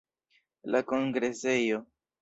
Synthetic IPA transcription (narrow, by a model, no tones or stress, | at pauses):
lako̞ŋɡɾe̞se̞jo